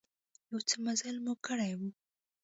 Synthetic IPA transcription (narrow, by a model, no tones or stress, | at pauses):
jawt͡səmazalmukəɽajwu